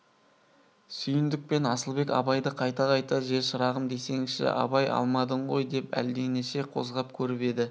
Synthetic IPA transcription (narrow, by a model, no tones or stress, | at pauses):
sʏjɪnd̪ɪk̚pe̞nɑsəlˠbe̞kɑ̰bɑjd̪əqʰɑjt̪ɑʁɑjt̪ɑʒe̞ɾʃəɾɑʁəmd̪e̞se̞ŋʃɪ̰ʔɑ̰bɑjɑ̰lˠmɑd̪əɴʁo̞jd̪e̞pæ̰ld̪e̞neʃe̞qʰo̞zʁɑp̚kʲʰɵɾɪpe̞d̪ɪ